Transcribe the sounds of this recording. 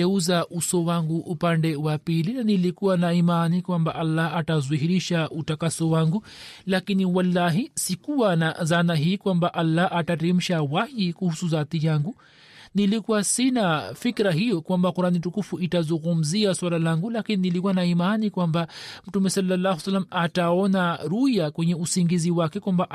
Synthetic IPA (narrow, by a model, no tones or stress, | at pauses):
ɛuzaʔusɔwaŋɡuʔupandɛwapilinanilikuwanaimanikwambaʔalːaatazuɦiɾiʃautakasɔwaŋɡulakiniwalːaɦisikuwanazanaɦiːkwambaʔalːaʔataɾɛm̩ʃawahikuhusuzaːt̪ijaŋɡu | nilikuwasinafikɾaɦijɔkwambakuɾanitukufuitazuŋɡum̩ziaswalalaŋɡulakininilikuanaimanikwambam̩tumɛsalːalːahwsalːamataɔnaɾujakwɛɲɛusiŋɡiziwakɛkwambaʔ